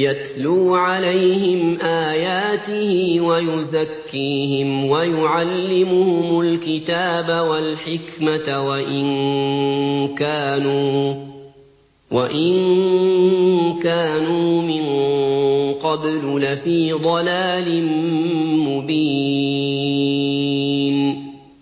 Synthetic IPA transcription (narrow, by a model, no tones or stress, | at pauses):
jat̪luːʕalajhɪmʔaːjaːt̪ɪhɪwajʊzakːiːhɪmwajʊʕalːɪmʊhʊmʊlkɪt̪aːbawalħɪkmat̪waʔɪn | kaːnuː | waʔɪn | kaːnuːmɪŋ | qɑbllafiːd̪ˤɑlaːlɪmmʊbiː | n